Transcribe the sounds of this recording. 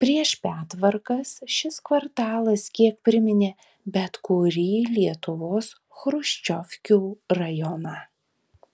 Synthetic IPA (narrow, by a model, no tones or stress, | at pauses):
pʲɾʲiɛʃpʲæːt̪ʋɐɾkɐsʃʲɪskʋɐɾt̪ɑːlˠɐskʲiɛk̚pʲɾʲɪmʲɪnʲeː | bʲɛt̪kʊɾʲiːlʲiɛt̪ʊʋoːs | xɾʊʃʲt͡ʃʲɔfʲkʲuːɾɐjɔnɑ